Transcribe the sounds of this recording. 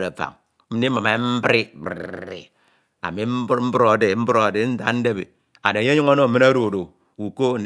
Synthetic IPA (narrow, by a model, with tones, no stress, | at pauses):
a˨fa̰˨ŋ | m̩˦ni˦ma˨me˨˦m̩˦bɾi˦bɾḛ˨ | a̰˨mi˦m̩˦bɾm̩˦bɾo˨de˨˦m̩˦bɾo˦a˨de˨˦n̩˦za̰˨˦n̩˦de˦bḛ˨ | a˨de˨je˦ɲu˦ŋa˦no˦˨mi˦na˦ɾo˨do˨ | u˨ko˦n̩˨